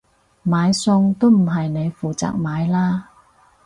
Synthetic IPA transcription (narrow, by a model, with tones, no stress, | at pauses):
maː˨˧jsʊ˧ŋt̪o˥wm̩˨˩ɦɐ˨jne˨˧jfuː˨t͡sa̰ː˨k̚maː˨˧jlaː˥